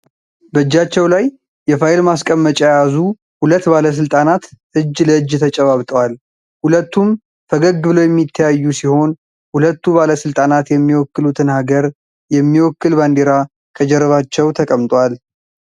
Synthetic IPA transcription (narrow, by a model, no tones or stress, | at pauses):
bəɨd͡ʒːat͡ʃːɛwlaj | jɛfaelmaskʼəmːət͡ʃʼajjazu | hulət̪ːbaləs̬ɨlt̪ʼanat̪ʔɨd͡ʒːləɨd͡ʒːt̪ʰət͡ʃʼɛβaβt̪ʼwal | hulət̪ːum | fʰəɡəɡɨbɨləwjɛmːit̪ʰːəjajːusiho̞n | hulət̪ːubaləsɨlt̪ʼanat̪jɛmːiwɔkːɨlut̪ʰɨnhaɡəɾ | jɛmːiwɔkːɨlband̪eɾa | kʰəd͡ʒɛɾəβat͡ʃːɛwt̪ʰəkʼəmt̪ʼwal